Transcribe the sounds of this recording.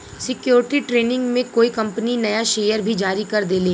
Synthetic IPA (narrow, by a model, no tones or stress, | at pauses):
sɪkjoːɾɪʈiʈɾeːnɪ̃ŋɡmẽkoːikɐ̃mpəninɐjaʃeːjəɾbʱid͡ʒaːɾikɐɾd̪eːleː